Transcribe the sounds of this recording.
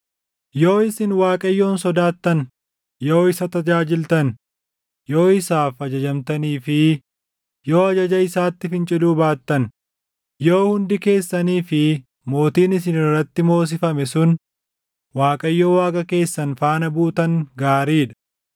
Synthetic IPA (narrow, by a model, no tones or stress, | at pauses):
jo̞ːɪsɪnwaːkʼɐjːoːnsɔd̪aːt̪ːɐn | jo̞ːɪsɐt̪ɐd͡ʒaːd͡ʒɪlt̪ɐn | jo̞ːɪsaːfɐd͡ʒɐd͡ʒɐmt̪ɐniːfɪ | jo̞ːɐd͡ʒɐd͡ʒɐɪsaːt̪ːɪfɪnt͡ʃʼɪluːbaːt̪ːɐn | joːhʊnd̪ɪke̞ːsːɐniːfɪ | mo̞ːt̪iːnɪsɪnɪrːɐt̪ːɪmo̞ːs̬ɪfɐmɛsʊn | waːkʼɐjːoːwaːkʼɐke̞ːsːɐnfaːnɐbuːt̪ɐŋɡaːɾiːᶑɐ̥